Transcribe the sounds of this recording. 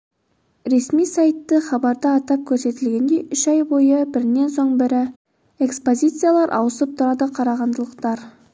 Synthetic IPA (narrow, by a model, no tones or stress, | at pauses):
ɾe̞smijsɑjt̪ːəχɑbɑɾd̪əɑt̪ɑp̚kʲʰɵɾse̞t̪ɪlɡʲe̞nd̪e̞jʏʃɑjbo̞jəbɪɾɪnːe̞nso̞ɴbɪɾɪ | e̞kspo̞zʲijt̪sɨjalˠɑɾʔɑ̰wəsəp̚t̪ʰʊɾɑd̪əqʰɑɾɑʁɑnd̪əlˠəqt̪ɑɾ